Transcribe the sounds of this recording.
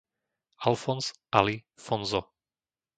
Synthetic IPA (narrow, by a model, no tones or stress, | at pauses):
alfɔnzʔalifɔnzɔ